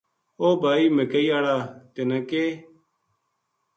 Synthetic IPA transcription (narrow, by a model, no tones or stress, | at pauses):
oːbʱaːiːmekəiːaːɽaːt̪enãːkeː